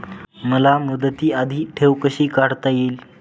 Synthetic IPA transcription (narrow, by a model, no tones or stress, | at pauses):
məlamud̪ət̪iːəd̪ʱiːʈʰewkəɕiːkaɽt̪ajeːl